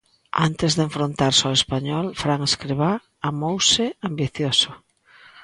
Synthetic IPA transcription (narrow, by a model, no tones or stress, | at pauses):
ant̪ɪzðeɱfɾont̪aɾsɔespaɲɔlfɾaŋeskɾeβa | amowsɪambiθjosʊ